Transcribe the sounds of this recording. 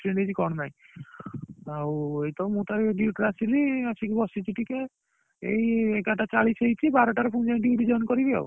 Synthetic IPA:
ʈɾeɳɖet͡ʃʰikɔɳɔnaj̃ | awejt̪ɔmũt̪aɾiɖiuʈɾasiliasikebɔsit͡ʃʰiʈike | ḛjekaʈat͡ʃaɭisejt͡ʃʰibaɾɔʈaɾɔpʰũnd͡ʒaj̃ʈiiʈid͡ʒɔnkɔɾid̪ɔ̰w

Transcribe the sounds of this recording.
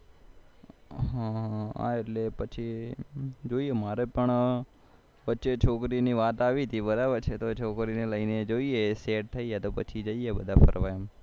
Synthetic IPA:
ɦãa̰ːeʈlepət͡ʃʰi | d͡ʒoːiemaːɾepəɳ | ʋətːʃet͡ʃʰoːkɾiniːʋaːt̪aːʋit̪ibəɾaːbəɾt͡ʃʰet̪ot͡ʃʰoːkɾineləined͡ʒoːieseːʈ̚t̪ʰəiɦet̪oːpət͡ʃʰid͡ʒəiebəd̪ʱapʰə̰ɾʋaːem

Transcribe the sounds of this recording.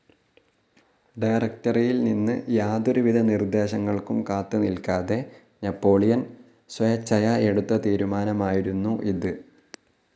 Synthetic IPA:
ɖɐjrɐk̚tɐrijilninːɨjaːd̪oɾuʋid̪ʱɐnird̪e̞ːɕɐŋːɐɭkumkaːt̪ːɨnilkaːðe̞ | nɐpːo̞ːɭijɐn | swɐjɐt͡ɕːɐjɐe̞ɽut̪ːɐt̪iːɾumaːnɐmaːjiɾunːuʔiðɨ

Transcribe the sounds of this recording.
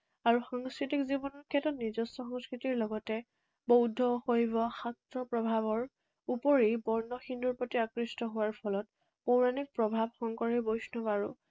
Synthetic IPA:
aɹuxɔŋskɹitikzibɔnɔɹkʰɛtɔtnizɔstɔxɔ̃ŋskɹitiɹlɔɡɔtɛ | bowdʱɔxojbɔxatɹɔpɹɔbʱaβɔɹ | upɔɹibɔɹnɔxinduɹpotiakɹistɔɦʊwaɹpʰɔlɔt̚ | powɹanik̚pɹɔbʱabxɔŋkɔɹibojsnɔbaɹu

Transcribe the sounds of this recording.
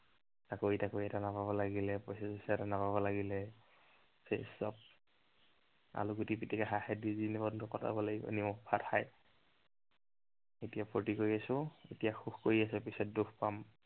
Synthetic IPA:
takoitakoiɛtanapabɔlaɡilɛpɔjsɛsɔsɛtanapabɔlaɡilɛ | sʰesɔp̚ | a̰luɡutipitikaɦaxadizinɛbɔndʱɔkɔta̰bɔlaɡibɔ̰nimɔkpʰathaj | etijapʰotikoɹiasʊḛtijaxuxkoɹias̬ɛpisɔt̚duxpam

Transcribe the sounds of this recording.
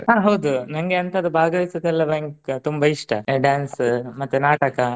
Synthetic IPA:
ɦãːɦɐwd̪unɐŋɡeɐnt̪ɐd̪ubʱaːɡɐʋisɐd̪ɛlːɐbeŋkt̪umbɐiʂʈʰɐɖjaːnsmɐt̪ːunaːʈɐkɐ

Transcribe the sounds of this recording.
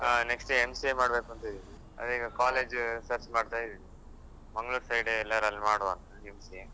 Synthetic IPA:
aneksʈeemsiemaːɽbeːkuɐnt̪ɐd̪i | ɐ̰d̪iːɡɐkaːleːd͡ʒsɐɾt͡ʃmaːɖt̪aːjid̪i | mɐŋɡɐɭuːɾsɐjɖeɛlːɐɾɐlːimaːɽʋaːn | emsije

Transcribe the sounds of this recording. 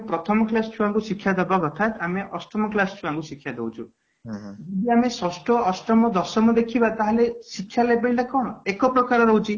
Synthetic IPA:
pɾɔt̪ʰɔmɔklasʈʰuaŋkusikʰjad̪ebakɔt̪ʰat̪ameʔɔsʈɔmɔklasʈʰuaŋkusikʰːjad̪ḛwt͡ʃʰṵ | uɖiamesɔsʈʰɔɔsʈɾɔmɔd̪ɔsɔmɔd̪ekʰibat̪aɦalesikʰːjalebeɭʈakɔɽ̃ɔekɔpɾɔkaɾɔɾɔɦwt͡ʃʰi

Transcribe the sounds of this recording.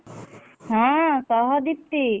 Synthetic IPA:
ɦãsɔɦɔd̪ip̚t̪i

